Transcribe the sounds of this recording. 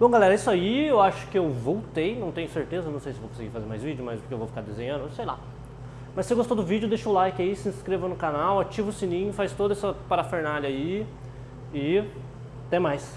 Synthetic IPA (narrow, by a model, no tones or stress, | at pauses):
b̥õɡalɛɾɐisʊaiewaʃʊ̥kɪewvowt̪ejnɐ̃w̃t̪ẽɲʊseɾt̪ezɐnɐ̃w̃sejsɪvowkõsɪɡiɾfazeɾma̰jzvid͡ʒʊmajspʊɾkewvowfi̥kaɾd̪ezẽɲɐ̃d̪ʊsejla̰ | mɐsːeɡost̪od̪ʊvid͡ʒɪʊd̪ejʃolajkɪaisɪĩskɾevɐnʊkanawat͡ʃivʊsĩnĩɲʊfajst̪od̪ɐɛsɐpaɾafeɾnalai | ɪ | t̪ẽmajs